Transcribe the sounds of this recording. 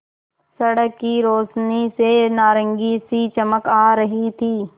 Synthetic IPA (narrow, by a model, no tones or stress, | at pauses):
sɐɽəkːiɾoːsnisenaːɾə̃ŋɡisit͡ʃɐməkaːɾɐɦit̪ʰiː